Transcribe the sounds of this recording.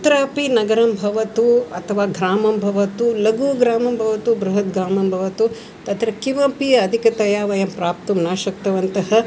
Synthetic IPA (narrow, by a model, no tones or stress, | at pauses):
t̪ɾaːpinɐɡɐɾɐmbʱɐʋɐt̪uɐt̪ʰɐʋaːɡɾaːmɐmbʱɐʋɐt̪ulɐɡuːɡɾaːmɐmbʱɐʋɐt̪ubɾuɦɐt̪̚ɡɾaːmɐmbʱɐʋɐt̪u | t̪ɐt̪ɾɐkiʋɐpiɐɐd̪ʱikɐt̪ɐjaːʋɐjɐmpɾaːp̚t̪umnaːʃɐk̚t̪ɐʋɐnt̪ɐɦɐ